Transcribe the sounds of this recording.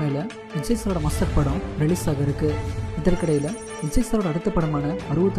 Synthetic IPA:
ɐɪlɐ | ɪd͡ʒɐɪsɐɾoːɽɐmɐstɐɾpɐɽʊ̃mɾɪɭiːsaːɣɐɪɾɯkːɯɪðɐrkɪɽɐjɪlɐ | ɪd͡ʒɐɪsɐɾoːɽɐɽɯt̪ːɐpːɐɽɯmaːnɐɐɾɯʋɐt̪ː

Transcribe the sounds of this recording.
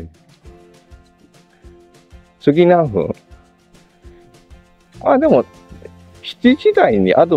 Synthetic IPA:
sɨɡʲinãɸɯ̰̃ | ad̪e̞mo | çi̥t͡ɕiʑid̪aiɲ̟ḭʔad̪o

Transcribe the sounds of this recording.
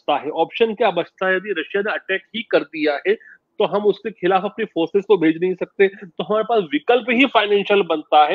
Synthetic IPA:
t̪aɦɛʔɔːpʃənkjabɐt͡ʃt̪aɦɛjɐd̪iɾɐʃjaneɐʈɛːkɦikɐɾd̪ijaɦɛt̪oɦɐmʊskexɪlaːfɐpnifoːɾsɪzkobʱeːd͡ʒnɐɦĩsɐk̚t̪et̪oɦɐmaːɾepaːsʋɪkəlpɦifaːɪnɛ̃ːnʃjəlbɐnt̪aɦɛː

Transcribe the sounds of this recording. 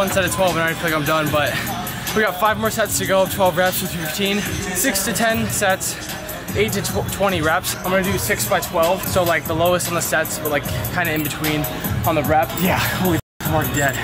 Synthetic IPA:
ʌ̃nsɛɾɨtʰw̥ɛlˠṽñaɪ̃flˠaɪkãɪ̃mdʌ̃nbʌt̚ | wiɡɑtfaɪvmɔɹsɛtstʰɨɡoʊtʰw̥ɛlˠvɹæpsəfɪftʰĩnsɪkstʰɨtʰɛ̃nsɛts | ʔeɪtɨtʰw̥ɛ̃ɾ̃iɹæpsãɪ̃mɡʌ̃nɨdɨsɪksb̥aɪtʰw̥ɛlˠv̥soʊlaɪk̚ðəloʊəstn̩ðəsɛtsʌlaɪkʰːãɪ̃ndɨɨ̃nbɨtʰw̥ĩn | ə̃nðɨɹæpjæwi | mɑɹkdɛt̚

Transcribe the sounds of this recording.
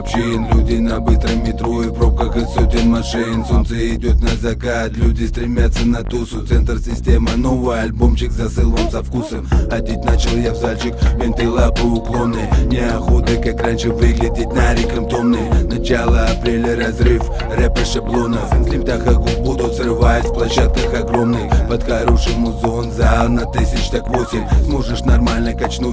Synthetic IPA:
pɕinlʲudʲɪnɐbɨst̪ɾəmmʲːɪt̪ɾoɪpɾo̞p̚kəxɨsod̪ʲɪnmɐʂɨnsont̪səɪdʲot̪nɐzɐkat̪lʲudʲɪst̪ɾʲɪmʲat̪sːənɐt̪usʊt̪sɛnt̪rsʲɪsʲtʲe̞mɨno̞vɨjɐlʲbomɕɪkzɐsɨlˠvəmsɐfkusəmɐd̪ʲit̪̚ʲnat͡ɕɪlˠjavzalʲt͡ɕɪkvʲemʲt̪ɨlˠapɨʊklˠonɨnʲɪɐxod̪ɨkakranʲʂɨvɨɡlʲɪdʲɪt̪̚ʲnaɾʲɪkɐmt̪o̞mnɨjnɐt͡ɕalˠəɐpɾʲelʲəɾɐzrɨf | rɛpʲɪʂablˠo̞nəfsʲlʲɪmʲt̪ʲaxɐkbud̪ʊt̪zrɨvatʲfplˠɐɕːat̪̚kəxɐɡɾo̞mnɨjpət̪xɐɾoʂɨjmʊzonzanɐt̪ɨsʲɪt͡ɕt̪akvosʲɪmʲsmoʐɨʂnɐrmalʲnəkɐt͡ɕnu

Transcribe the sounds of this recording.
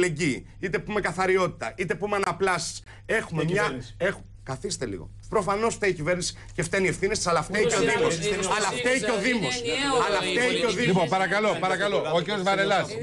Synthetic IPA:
leɲɟiː | it̪e̞pume̞kɐθɐɾio̞t̪i̥t̪ɐit̪e̞pumeɐnɐplɐsi̥s | e̞xume̞mɲɐexu | kɐθist̪elḭɣo̞̰ | pɾo̞fɐno̞sft̪eicive̞ɾnisi̥ | ceft̪enie̞fθinest̪i̥sɐlɐft̪eceoðimosɐlɐft̪eiceo̞ðimo̞sɐlɐft̪eceoðilipopɐɾɐkɐlo̞pɐɾɐkɐloociɾjozvɐɾelɐs

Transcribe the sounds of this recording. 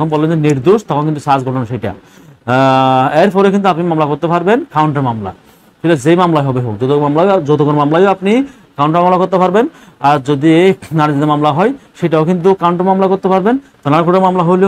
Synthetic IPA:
kʰonbɔlend͡ʑeniɾd̪oʃt̪ɔkʰonkint̪uʃad͡ʑkoɾlenʃejʈa̰ | eɾpɔɾekint̪uapnimamlakoɾt̪epaɾbenkawɳʈeɾmamla̰ | kɔjlad͡ʑejmamlaɦɔbeɦokd͡ʑot̪omamlajod͡ʑot̪okoɾmamlajoapni | kawɳʈaɾmamlakoɾt̪epaɾben | aɾd͡ʑod̪ienanid͡ʑ̪ad̪eɾmamlaɦɔjʃejʈaokint̪̬ukawɳʈeɾmamlakoɾt̪epaɾbent̪ɔnakueɾmamlaɦojle

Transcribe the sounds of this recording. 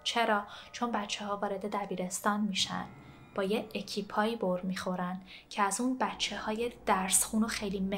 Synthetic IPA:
t͡ʃʰe̞ɾɒːt͡ʃʰo̞nbæt͡ʃʰːehɒːvɒːɾe̞d̪e̞d̪æbiːɾe̞st̪ɒːnmiːʃæ̰nd̪ | b̥ɒːjeecʰiːpʰɒːiːboɾmiːxo̞ɾænd̪ | cʰeæzuːnbætt͡ʃʰːe̞hɒːje̞d̪̥æɾsxuːno̞xe̞jliːme

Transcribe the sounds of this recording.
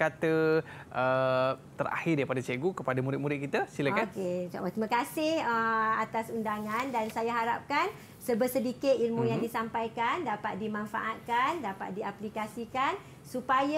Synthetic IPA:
kat̪ə | ʔət̪əɾa̰hɪrdaɾipadat͡ʃeɡukəpadamuɾɪt̪̚muɾɪt̪̚kit̪asilakaked͡ʒa̰wat̪imãkasɪhəat̪asundaŋãndansajaɦaɾap̚kan | səbəsədikɪt̪̚ilmũjaŋdisampajkandapat̪̚dimãnfa̰ʔat̪̚kandapa̰t̪̚diaplikasikan | supaja

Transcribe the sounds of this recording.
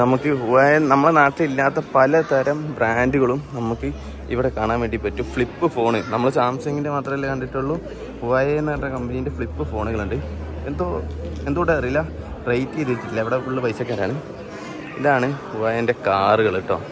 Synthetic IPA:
nɐmukːɨhuʋaːjɐnɐmːɐɭnaːʈːɐilːaːt̪ːɐpɐlɐt̪ʰɐɾɐmbraːnduɣɐɭumnɐmukːɨ | iʋiɽe̞kaːɳaːnʋeːɳɖipːɐtːufɭipːɨfo̞ːɳɨnɐmːɐɭsaːmsɐŋɡindemaːt̪rɐmilːkɐɳɖiʈːuɭːu | huʋaːjɐnːɐʈːɐkɐmbɐnijinde̞fɭipːɨfo̞ːɳuɣɐɭuɳɖɨ | e̞nd̪oːend̪oːɽeɐriilːɐ | rɐjtːieðiʋiɾit͡ɕːikʲːilːɐiʋiɽeuɭːupɐjsːɐkːaːɾaːɳɨ | iðaːɳɨhuʋaːjɐnde̞kaːrɨɣɐɭiʈːo̰ː

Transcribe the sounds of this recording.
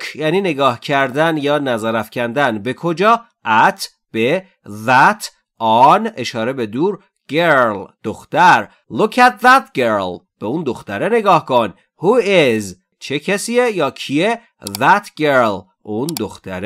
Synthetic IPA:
jæːniːne̞ɡɒːhcʰæɾd̪ænjɒːnæzæɾæfcʰænd̪ænbe̞kʰod͡ʒɒː | ʔæt̪ʰ | b̥e | ðæt̪ʰ | ɒne̞ʃɒːɾe̞be̞d̪uːɾ | ɡ̥eɾld̪̥oxt̪æɾ | lukʰæt̪̚ðæt̪ɡeɾl | b̥euːnd̪oxt̪æɾene̞ɡɒːhkʰon | huez | t͡ʃʰecʰæsiːejɒːcʰie | ðæt̪ʰɡeɾl | ʔund̪oxt̪ʰæɾ

